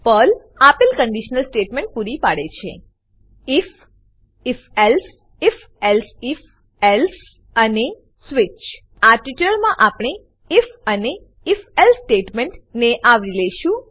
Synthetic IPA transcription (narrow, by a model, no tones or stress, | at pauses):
pəl | apɪlkəɳɖiʃnəlsʈeʈmẽɳʈ̚puɾipaɽet͡ʃʰḛ | ɪf | ifels | if | ɛlsif | els | əne | sʋit͡ʃ | aʈiʈləɾmãʔapɳ̃eː | fəneː | felsʈeʈmeɳʈneʔaʋileʃũ